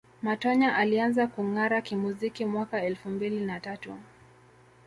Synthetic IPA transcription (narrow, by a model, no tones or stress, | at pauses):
matɔɲaʔalianzakuŋaɾakimuzikimwakaɛlfumbilinatatṵ